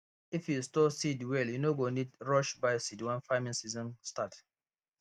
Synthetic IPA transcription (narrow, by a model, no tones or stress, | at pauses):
ifjustɔsidwɛljunoɡonidɹɔʃbajsidwɛ̃nfaɪmĩnsizɔ̃nstat